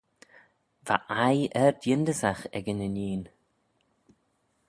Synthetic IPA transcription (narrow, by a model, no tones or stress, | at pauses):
va̰ʔajɛɹd̪jɪnd̪əsaxɛ̰ɡənəniːn